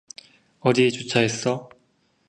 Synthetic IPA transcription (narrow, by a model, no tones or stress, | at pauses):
ʌɾie̞t͡ɕot͡ɕʰaes͈ʌ